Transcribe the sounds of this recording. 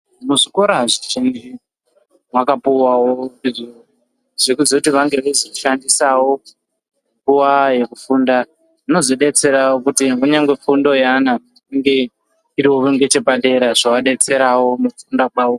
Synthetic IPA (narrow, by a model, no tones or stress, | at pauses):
muʐiko̞ɾaʐiʒind͡ʒi | wakapuwawoiʐio | ʐekuzekutiʋaŋɡe̞ʋezoʃandisawo̞ | ŋɡuwaje̞kufunda | ino̞zo̞ɗe̞t͡se̞ɾawokutiuɲaŋɡwefundo̞jana | iŋɡe̞ | iɾiwo̞uŋɡe̞t͡ʃe̞paɗe̞ɾaʐawaɗe̞t͡se̞ɾawo̞mufundakwaːwo